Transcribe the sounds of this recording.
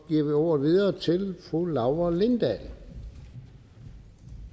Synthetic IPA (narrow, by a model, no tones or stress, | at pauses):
ɡ̥iɐ̰ʋioːʋiðˠɐːt͡sʰe̝lfʁulɑ̈ʊɐle̝nd̥æ̰l